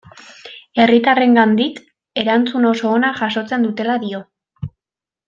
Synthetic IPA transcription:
e̞rit̪are̞ŋɡand̪ik | e̞ɾant͡suno̞so̞ːnaʝaso̞t͡se̞nd̪ut̪e̞laðio̞

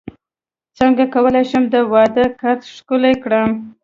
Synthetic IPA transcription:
t͡səŋɡakawəlajʃəmd̪əwɑd̪əkaɾt̪ʃkʊlajkɽəm

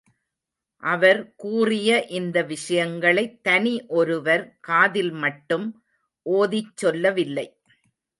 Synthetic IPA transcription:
ʔɐʋɐɾkuːrɪjɐʔɪnd̪ɐʋɪʂɐjɐŋɡɐɭɐɪt̪ːɐniʔɔɾɯʋɐɾkaːðɪlmɐʈːɯm | ʔoːðɪt͡ʃːɔlːɐʋɪlːɐɪ

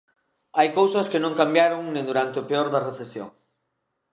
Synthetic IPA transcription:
ajkowsɐskɪnõŋkambjaɾoŋnẽŋd̪uɾant̪ɪʊpeoɾðɐreθesjo̰ŋ

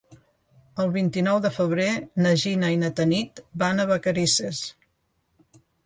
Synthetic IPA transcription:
əlˠβint̪inɔwðəfəβ̞ɾenəʒinainət̪ənit̪banəβəkəɾises

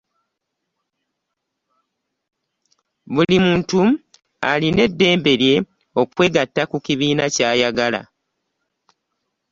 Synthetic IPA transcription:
βulimuːntu | aline̞dːe̞ːmbe̞ɾje̞ | o̞kwe̞ːɡatːakukiβiːnacaːjaɡala̰

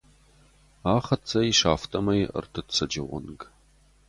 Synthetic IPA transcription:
aːχɐt͡sʰɐjiʂaːftʰɐmɐjə̰rtʰɨtt͡sʰɐd͡ʒɐwɐ̰nɡ

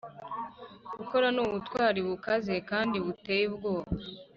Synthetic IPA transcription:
ɡuko̞ɾanuβutwaːɾiβukaze̞kaːndiβutejibɡo̞ːβa

